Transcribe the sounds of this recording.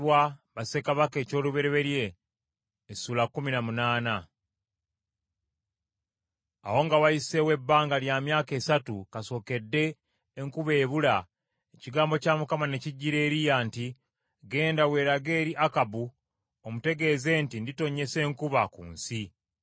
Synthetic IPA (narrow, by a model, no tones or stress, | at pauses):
waβase̞kaβake̞ːco̞ːluβe̞ɾe̞βe̞ɾje̞ː | suːlakːuminamunaːna | a̰wo̞ŋɡawajise̞we̞bːaːŋɡaljamjaːke̞ːsatukaso̞ːke̞dːe̞ː | ŋkuβe̞ːβula | eciɡaːmbo̞camukamane̞ciɟːiɾe̞ːɾijanti | ɡe̞ːndawe̞ːɾaɡe̞ːɾiʔakabu | omute̞ɡe̞ːze̞ːntindito̞ɲe̞se̞ːŋkuβakṵːnsi